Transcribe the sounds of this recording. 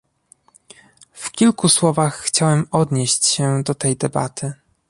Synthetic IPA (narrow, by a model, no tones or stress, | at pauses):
fkʲilkuswɔvaxːt͡ɕawɛmɔd̪ɲeɕt͡ɕɕɛd̪ɔt̪ɛjd̪ɛba̰t̪ʰɘ